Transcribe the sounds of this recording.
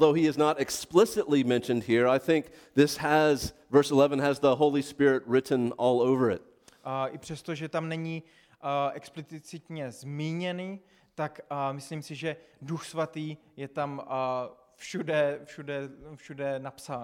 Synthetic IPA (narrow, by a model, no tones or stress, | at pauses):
lˠðoʊiɨznəɾɨksplɪsɨtˡlimɛ̃nʃɨ̃nd̚hiɹaɪθɪ̃ŋk̚ | ðɪshəz | vɜ˞səlɛvə̃nɨzðəɦoʊlˠispɪɹɪt̚ɹɪʔn̩ɔlˠoʊvə˞ɪ̰t̚ | ʔɪpr̥ɛst̪oʒɛt̪amnɛɲiː | ʔɛksplɪt͡sɪt͡sɪt̪ɲɛzmiːɲɛniː | t̪akmɪsliːmsɪʒɛduxsvat̪iː | jɛt̪am | fʃudɛfʃudɛfʃudɛnapsaː